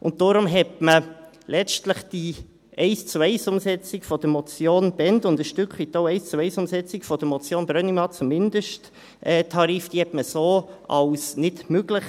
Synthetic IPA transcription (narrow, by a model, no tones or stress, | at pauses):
ʔʊ̰nttːoɾʊmɦɛtmə | lɛt͡ʃtləχd̥i | ʔɛɪst͡suɛɪsʊmsɛt͡sɪkfɔd̥̪əmɔt͡sjoːnb̥ɛndʊndəʃtʏkχit̪ːoʊɛɪst͡suɛɪsʊmsɛt͡sɪkfɔd̥əmɔt͡sjoːnbɾœnimɑt͡sumɪnd̥̪əʃt | ʔɛːtʰɑɾiːfd̥iɛtməsoːɑ̰wsnɪtmøɡləχ